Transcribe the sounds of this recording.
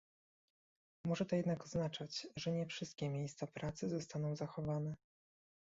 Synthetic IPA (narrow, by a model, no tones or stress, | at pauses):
mɔʐɛt̪ɔjɛd̪nakɔznat͡ʂat͡ɕʐɛɲɛfʂɘst̪̚kʲɛmʲjejst̪sapɾat̪sɘzɔst̪anɔ̃w̃zaxɔvanɛ